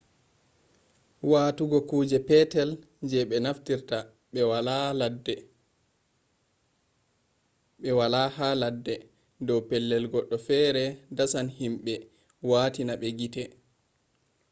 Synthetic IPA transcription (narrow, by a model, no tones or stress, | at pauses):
waːtuɡɔkuːd͡ʒɛpɛtɛl | ɲd͡ʒɛɓɛnaftiɾta | waad | ɓɛwalahaladːɛ | dɔwpɛlːɛlɡɔɗːɔfɛɾɛdasanhimɓɛ | waːtinaɓɛɡitɛ